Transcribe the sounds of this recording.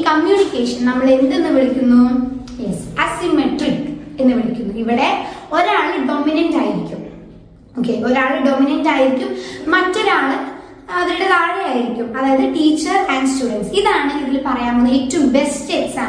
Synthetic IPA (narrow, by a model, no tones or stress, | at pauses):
kɐmjuːnikʲːeːʂɐnnɐmːɐɭe̞nd̪e̞nːɨʋiɭikʲːunːu | jesɐsimeʈrike̞nːɨʋiɭikʲːunːuiʋiɽe̞o̞ɾaːɭɨɖominɐndaːjiɾikʲːum | oːkʰːeːoɾaːɭɨɖo̞minɐndaːjiɾikʲːumːɐtːo̞ɾaːɭɨ | ɐðiɾuɽekaːɽeaːjiɾikʲːumɐðaːjɐðɨʈiːt͡ɕːɐrænɖstuːɽɐnsiðaːɳɨiðilpɐrɐjaːmonːɐitːɐumbesteːsaː